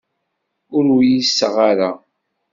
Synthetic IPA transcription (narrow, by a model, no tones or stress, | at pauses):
ʊɾwjisːəʁaɾa